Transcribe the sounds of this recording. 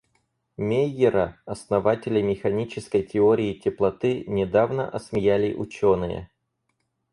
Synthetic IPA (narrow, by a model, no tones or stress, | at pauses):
mʲejɪɾəɐsnɐvatʲɪlʲɪmʲɪxɐnʲit͡ɕɪskəjtʲɪoɾʲɪːtʲɪplˠɐt̪ɨnʲɪd̪avnə̰ʔɐsmʲɪjalʲɪʔʊt͡ɕonɨjə̰